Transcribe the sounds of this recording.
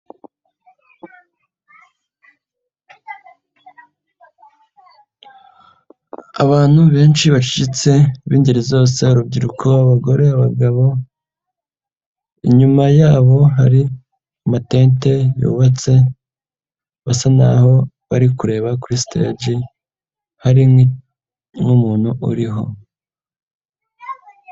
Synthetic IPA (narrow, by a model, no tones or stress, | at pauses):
a̰βaːn̥huβe̞ːnʃiβat͡ʃi̥ɟit͡se̞βiːndiɾizo̞ːse̞uɾub̚ɟiɾukʰo̞aβaɡo̞ɾe̞aβaɡaβo̞ | iɲumajaːβo̞ɦaɾi | mate̞ːnte̞jṵːβat͡se̞ | βasana̰ho̞ | βaɾikuɾe̞ːβakuɾistḛɟi | haɾi | ŋumuːn̥huʔṵɾiɦo̞̰